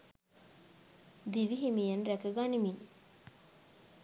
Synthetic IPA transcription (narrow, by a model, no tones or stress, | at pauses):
d̪iʋiɦimijenɾækəɡanimin